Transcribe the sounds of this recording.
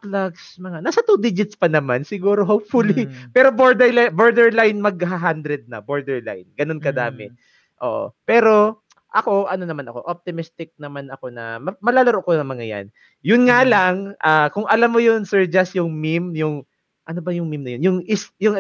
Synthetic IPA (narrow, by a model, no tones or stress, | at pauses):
plaɡsmɐŋanaːsɐt̪ud̪id͡ʒɪt̪spɐnɐmansɪɡuːɾo̞ɦowpfʊlipɛːɾo̞boɹd̪ɛlaboɹd̪ɛɹlajnmɐɡ̚ɦaɦand̪ɾɛd̪̚nɐ̰boɹd̪ɛɹla̰jnɡɐno̞nkɐd̪aːmɛ | ʔo̰ːʔo̰pɛːɾo̞ | ʔɐko̞ʔɐno̞nɐmanɐko̞̰ʔop̚t̪ɪmɪst̪ɪk̚nɐmanɐko̞nɐ̰mɐmɐlaːlɐɾoʔkonɐŋmɐŋaja̰n | jʊnŋalaŋʔaːkʊŋʔɐlamːojonsɛɹd͡ʒɐsjʊŋmimjʊŋ | ʔɐnobɐjʊŋmimnɐjonjʊŋʔɪsjʊŋ